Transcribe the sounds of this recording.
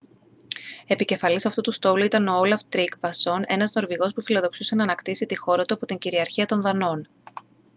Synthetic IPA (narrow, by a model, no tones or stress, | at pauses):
e̞pice̞fɐlisɐft̪ut̪ust̪o̞luit̪ɐno̞olɐft̪ɾikvɐso̞ne̞nɐzno̞ɾviɣo̞spufilo̞ðo̞ksuse̞nɐːnɐkt̪isit̪ixo̞ɾɐt̪uɐpo̞t̪iɲɟiɾiɐɾçiɐt̪o̞nðɐno̞n